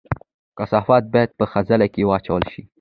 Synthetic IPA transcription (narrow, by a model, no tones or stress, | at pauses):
kasɑfɑt̪̚bɑjad̪̚pəxazalakewɑt͡ʃawəlʃi